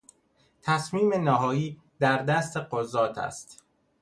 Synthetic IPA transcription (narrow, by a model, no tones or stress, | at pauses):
t̪ʰæsmiːme̞næɦɒːjiː | d̪æɾd̪æst̪eqozɒːt̪ʰæ̰st̪